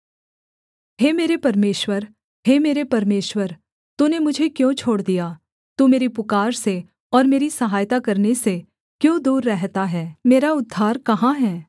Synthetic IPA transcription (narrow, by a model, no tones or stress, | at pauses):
heːmeːɾepɐɾmeːʃwəɾ | heːmeːɾepɐɾmeːʃwəɾ | t̪unemʊd͡ʒʱekjõːt͡ʃʰoːɽd̪ija | t̪umeːɾipʊkaːɾse | ɔːɾmeːɾisɐɦaːjt̪akɐɾnese | kjõːd̪uːɾːɛɦt̪aɦɛːmeːɾaʊd̪ʱːaːɾkɐɦãɦɛː